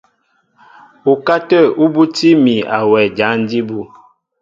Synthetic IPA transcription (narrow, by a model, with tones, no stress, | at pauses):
u˨ka˦tə˦˨u˦bu˦ti˦mi˨a˨wɛ˨d͡ʒa˨˦n˦di˦bu˦